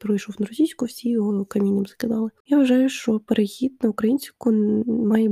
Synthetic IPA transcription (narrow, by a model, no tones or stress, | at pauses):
pɾɔjʃɔwnɐɾɔsʲijsʲkʊwsʲijɔɦɔkɐmʲinʲɪmzɐkɪd̪ɑlˠɪjaʋɐʒɑjʊʃt͡ʃɔpeɾexʲid̪̚nɐʊkɾɐjinʲsʲkʊmɑjɛ